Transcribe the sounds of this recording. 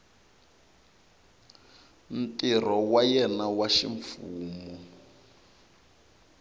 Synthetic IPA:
n̩tʼir̤ɔwajɛnawaʃḭɱfuːmɔ

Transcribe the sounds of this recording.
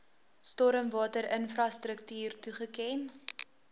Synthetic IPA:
stɔɾəmvɑːtəɾənfrɑstɾəktyːrtuχəkɛn

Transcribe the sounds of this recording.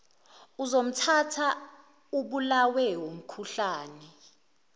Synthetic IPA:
uzom̩tʰatʰa | uɓulawɛwom̩kʰuɬaːnɛ

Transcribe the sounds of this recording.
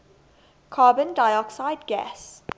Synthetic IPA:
kʰaːbə̃ndajɔksaɪdɡɛ̰s

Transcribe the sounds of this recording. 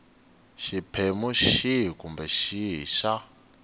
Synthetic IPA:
ʃipʰemuʃiɦikumbɛʃiɦḭʃa

